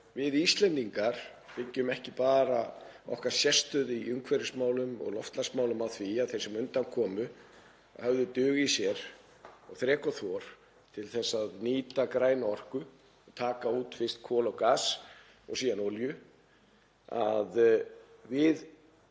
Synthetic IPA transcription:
vɪðist̪lɛnt̪iŋkaɾ̥ | pɪcːʏmɛhcɪpaːɾaɔ̰hkaɾ̥sjɛst̪ʏðiʏŋkʰvɛɾɪsmaːwlʏmɔ̰ɣlɔft̪lasmaːwlʏmawθviaðθejɾsɛmʏnt̪ankʰɔːmʏ | hœvðʏt̪ʏːɣisjɛɾ̥ | ɔɣθɾɛːkɔθɔɾ̥ | t̪ʰɪlθɛsːaðniːt̪akɾaːjnaɔr̥kʏ | ɔt̪ʰaːkauːt̪fɪr̥st̪kʰɔːlawkaːs | ɔ̰ɣsiːðanoljʏ | a̰ð | vɪð

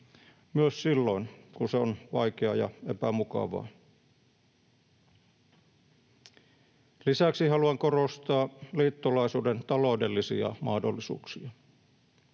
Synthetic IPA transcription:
myøssilːo̞inkunseonʋɑjkeɑjɑ̰epæmukɑ̰ʋɑ̰ː | lisæksihɑluɑŋkorost̪ɑːliːt̪ːolɑisuːdent̪ɑlo̞udelːisiɑ̰mɑhdo̰lːisṵːksiɑ

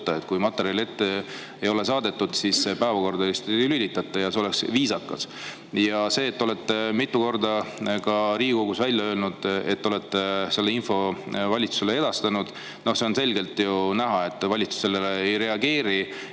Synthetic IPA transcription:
t̪ːˑɑet̪ːˑkujmɑt̪ːˑeɾjɑle̞t̪ːe | ejo̞le̞sɑːd̪e̞t̪ːˑud̪̥sisːepæːvɑko̞rd̪ɑjust̪ylylʲit̪ːɑt̪ːˑɑjɑseo̞leksviːsɑkːˑɑs | jɑse̞ːt̪ːo̞le̞t̪ːemit̪ːˑuko̞rd̪ɑkɑɾiːiɡoɡusvælʲjɑø̞ːlnud̪̥et̪ːo̞le̞t̪ːˑese̞lːeinfo̞vɑlʲit̪su̥se̞lee̞d̪̥ɑst̪ɑnud̪̥ | no̞hseo̞nse̞lʲɡe̞lt̪junæɦɑe̞t̪ːˑvɑlʲit̪su̥se̞leleejɾe̞ɑɡe̞ːɾi

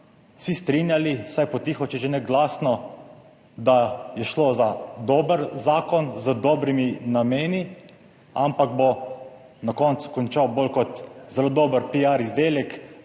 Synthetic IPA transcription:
wsist̪ɾinjaliwsajpɔt̪iːxɔt͡ʃɛʒenɛɡlaːsnɔ | d̪ajɛʃloːzad̪oːbəɾzaːkɔnzəd̪ɔːbɾiminameːni | ampaɡ̚bo | nakɔnt̪su̥kɔnt͡ʃawbolkɔt̪zɛlod̪oːbəɾpiaɾizd̪eːljɛk

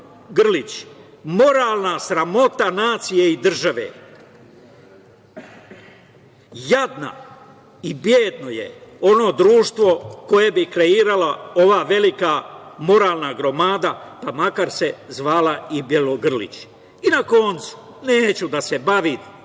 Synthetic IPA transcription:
ɡrlit͡ɕ | mo̞ɾaːlˠnasɾamo̞t̪anaːt̪sije̞id̪r̩ʒaʋḛː | jad̪na̰ | ibjeːd̪no̞jḛo̞no̞d̪ɾuːʃt̪ʋo̞ko̞je̞bikɾe̞iːɾalao̞ʋaːʋe̞likamo̞ɾaːlˠnaɡɾo̞maːd̪apamakaɾse̞zʋaːlaibjeloɡr̩lḭt͡ɕ | inako̞nt̪su̥ | neːt͡ɕud̪ase̞baʋi

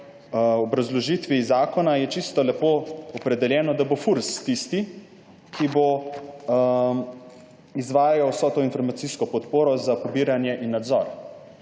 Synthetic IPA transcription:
ɔbɾazlɔʒit̪ʋizaːkɔnajɛt͡ʃist̪ɔlɛpoɔpɾɛd̪ɛljɛːnɔd̪abofuɾst̪ist̪i | kibo | izʋaːjajawsɔt̪oinfɔɾmat̪siskɔpɔt̪poːɾɔzapɔbiːɾanjɛʔinːad̪zɔɾ

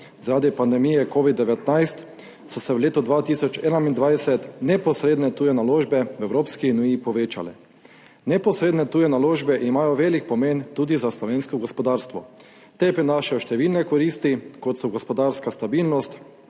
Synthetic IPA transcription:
zaɾaːd̪ipand̪ɛmijɛkoːʋid̪ːɛʋɛt̪najst̪ | sɔsɛwleːt̪ud̪ʋaːt̪isɔt͡ʃɛːnaind̪ʋajsɛt̪nɛpɔsɾeːd̪nɛt̪ujɛnaloːʒbɛʋɛwɾoːpskinujipɔʋeːt͡ʃa̰lɛ̰ | nɛpɔsɾeːd̪nɛt̪uːjɛnaloːʒbɛʔimaːjɔʋeːlik̚pɔment̪uːd̪izaslɔʋeːnskɔɡɔspɔd̪aːɾst̪ʋɔ | t̪epɾinaːʃajɔʃt̪ɛʋilnɛkɔɾiːst̪ikɔt̪sɔɡɔspɔd̪aːɾskast̪abilnɔst̪

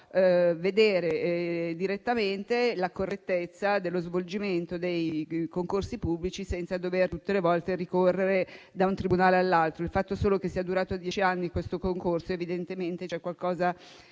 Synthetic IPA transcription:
ved̪eːɾed̪iɾet̪ːament̪elakorːet̪ːet̪sːad̪elːozvold͡ʒiment̪od̪ejkoŋkorsipubːlit͡ʃisɛnt̪sad̪overt̪ut̪ːelevɔlt̪erikorːeɾe | d̪aunt̪ɾibunaːlealːalt̪ɾoilfat̪ːosoːlokesːiad̪uɾaːt̪oad̪ːjɛːt͡ʃianːikwest̪okoŋkorsoevid̪ent̪ement̪et͡ʃɛkwalkɔːza

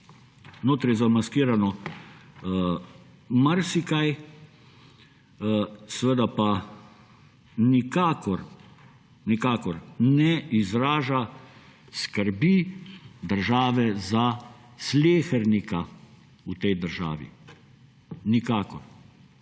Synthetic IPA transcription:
noːt̪ɾɛjzamaskiːɾanɔ | maɾsikaj | sɛʋəd̪apa | nikaːkɔɾ | nikaːkɔɾnɛizɾaːʒa | skəɾbid̪əɾʒaːʋɛza | sleːxɛɾnika | ut̪ɛjd̪əɾʒa̰ːʋḭ | nikaːkɔɾ

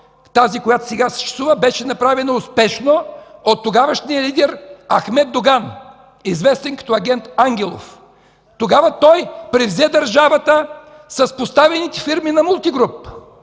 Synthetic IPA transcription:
t̪azikojat̪o̥sɛɡasɛ̥ʃt͡ʃɛ̥suvəbɛʃɛnɐpɾavɛnɐʊspɛʃnoot̪ːoɡavəʃniəlid̪ɛɾɐ̰xmɛd̪̚d̪oɡan | izvɛst̪ɛnkɐ̥t̪ɔɐɡʲɛnt̪aŋɡʲɛlˠo̰f | t̪oɡavət̪ɔjpɾɛvzɛd̪ɐɾʒavɐt̪ə | sɐspost̪avɛnit̪ɛfiɾminɐmulˠt̪iɡɾup

